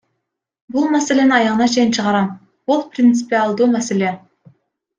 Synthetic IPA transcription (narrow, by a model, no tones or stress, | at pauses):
bulˠmæsele̞nɪɑjɑʁənɑt͡ʃʰe̞jint͡ʃʰəʁɑɾɑm | b̥ulˠprʲɪnt̪sɨ̥pialˠd̪uːmæsele̞